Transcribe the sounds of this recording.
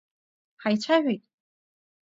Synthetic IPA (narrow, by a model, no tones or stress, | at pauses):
ħajt͡ʃʷʰaʒʷᶣejtʼ